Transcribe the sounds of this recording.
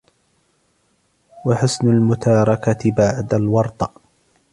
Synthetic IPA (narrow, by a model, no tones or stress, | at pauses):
waħʊsnʊlmʊt̪ɑːɾˤɑkabaʕd̪alwɑɾˤt̪ˤɑ